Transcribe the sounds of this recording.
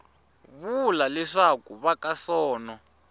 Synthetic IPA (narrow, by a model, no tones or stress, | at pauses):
βulalɛʂakuβakasɔːnɔ